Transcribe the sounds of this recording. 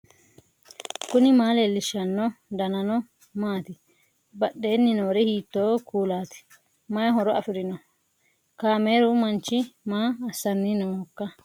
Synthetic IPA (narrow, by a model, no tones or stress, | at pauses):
kʊnɪmaːleːlːɪʃːɐnːɔd̪ɐnɐnɔ | maːt̪ɪ | bɐɗːeːnːɪnoːɾɛhiːt̪ːoːkuːlaːt̪ɪ̥ | mɐjɐɦɔɾɔɐfɪɾɪnɔ | kaːme̞ːɾʊmɐnt͡ʃːɪmaːsːɐnːɪnoːhɔkːɐ